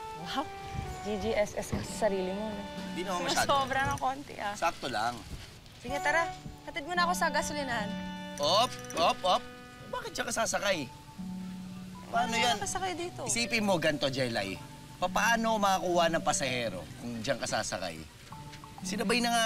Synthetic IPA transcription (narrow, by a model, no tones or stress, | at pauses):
ha | d͡ʒid͡ʒiʔɛsʔɛskɐsɐsɐɾiːlɪmonɛd̪inɐoŋsoːbɾɐnɐŋkoːnt̪ɛ̰ʔasaːk̚t̪ola̰ŋ | sɪŋɐt̪ɐɾahɐt̪ɪd̪̚monɐʔɐko̞sɐɡasʊlɪnɐnʔop̚ʔop̚ʔop̚ | baːkɪt̪̚d͡ʒɐŋkɐsaːsɐkaj | pɐpaːnojankɐsɐkajd̪iːt̪oɪsiːpɪnmo̞ɡɐnt̪o̞d͡ʒɐjla̰j | pɐpaːno̞mɐkɐkuːhɐnɐŋpɐsɐhɛːɾo̞̰kʊŋd͡ʒaŋkɐsa̰ːsɐ̰ka̰j | sɪnɐbajnɐŋa